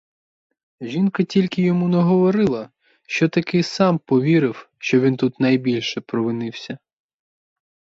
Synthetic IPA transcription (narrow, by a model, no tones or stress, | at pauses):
ʒʲinkɐtʲilʲkɪjɔmunɛɦɔʋɔɾɪlˠɐ | ʃt͡ʃɔt̪ɐkɪsɑmpɔʋʲiɾɪw | ʃt͡ʃɔʋʲint̪ut̪nɐjbʲilʲʃɛpɾɔʋɪnɪwsʲɐ